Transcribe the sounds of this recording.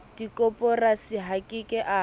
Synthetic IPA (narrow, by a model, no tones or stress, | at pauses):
d̥ikʼɔpʼɔrasiɦakʼɪkʼɪʔa